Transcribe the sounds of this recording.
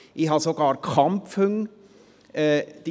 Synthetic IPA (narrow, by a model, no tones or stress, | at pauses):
iɦɑsoɡ̥ɑːɾkʰɑmpfʉŋ | ɛːd̪̥i